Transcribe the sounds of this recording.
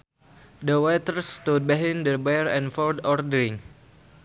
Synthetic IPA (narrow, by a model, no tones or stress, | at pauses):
dəwɛt̪əɾst̪ud̚biɦɛ̃ndəbɛɾɛ̃nfɔldɔrdəɾɪ̃ŋ